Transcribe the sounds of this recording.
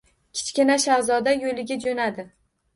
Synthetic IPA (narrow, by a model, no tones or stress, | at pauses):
kʲʰɪ̥t͡ʃkʲɪnaʃahzɒd̪ajolɪɡʲad͡ʒonad̪ɪ